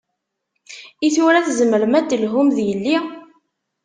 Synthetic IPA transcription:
iθʊɾæθzəməɾmæd̪əlɦʊmðjəlːi

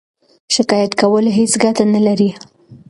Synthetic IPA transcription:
ʃɪkɑjat̪kawəlɦet͡sɡat̪analaɾi

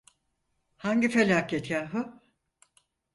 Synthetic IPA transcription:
haɲɟifelʲaːkʰɛt̪ʰjaːɦɯ

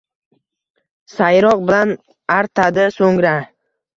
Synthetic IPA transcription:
sajɾɒq̚bɪlan | aɾt̪ʰad̪ɪsoŋɾa

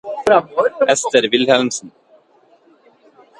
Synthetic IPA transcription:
ɛst̪ɛɾvɪlhɛlmsn

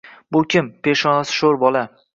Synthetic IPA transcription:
bʊkʲɪmpeʃɒnasɪ̥ʃoɾbɒla

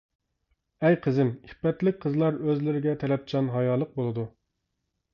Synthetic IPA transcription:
ɛjqʰəzɪmiχpɛt̪lɪk̚ʲqʰəzlˠɑɾøzlɪɾɪɡʲɛt̪ʰɛlɛp̚t͡ʃʰɑnɦɑjɑːlˠːəq̚bolˠɨd̪u

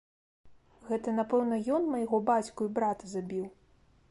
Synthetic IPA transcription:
ɣɛt̪ɐnapɛwnɐjɔnmɐjaɣɔbat͡sʲkuibɾat̪ɐzabʲiw

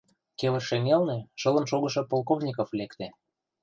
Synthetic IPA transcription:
keβə̆rʃeŋelneʃɤ̆lə̆nʃoɣɤ̆ʃɤ̆polˠkovnʲikoflekt̪ĕ

